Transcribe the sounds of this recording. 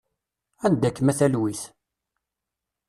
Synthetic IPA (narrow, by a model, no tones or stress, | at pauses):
ænd̪ækːmæθælwiθ